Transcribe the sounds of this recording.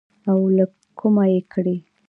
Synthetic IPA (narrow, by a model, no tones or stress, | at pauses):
awla | kʰumajekɽi